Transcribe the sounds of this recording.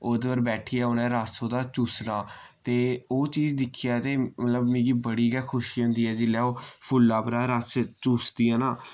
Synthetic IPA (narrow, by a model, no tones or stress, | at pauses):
oːd̪ʋəɾbɛːʈʰiːaːʊnɛ̃ːɾasoːd̪aːt͡ʃuːsnaːt̪eːoːt͡ʃiːd͡ʒd̪ɪkʰːijaːt̪eːmət̪ləbmĩːɡiːbəɽiːɡɛːkʰʊʃiːɦʊ̃nd̪iːɛːd͡ʒɪlːɛːoːpʰʊlːaːpəɾaːɾəst͡ʃuːsd̪iːaːnaː